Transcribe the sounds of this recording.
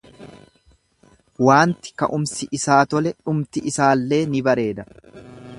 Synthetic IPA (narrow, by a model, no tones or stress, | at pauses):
waːnt̪ɪ̥kɐ̰ʔʊmsɪʔɪsaːt̪ɔlɛᶑʊmt̪ɪʔɪsaːlːe̞ːnɪbɐɾe̞ːd̪ɐ